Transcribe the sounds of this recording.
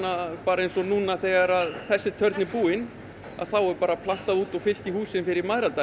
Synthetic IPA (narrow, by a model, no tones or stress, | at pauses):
apaːɾaejnsɔnuːnaθɛɣaɾaðθɛsːɪt̪ʰœɾt̪nɪpuːɪn | a̰ðθawɛɾpaːɾapʰlan̥t̪aðuːt̪ɔfɪl̥c̪ihuːsɪnfɪɾɪɾmaðɾalt̪a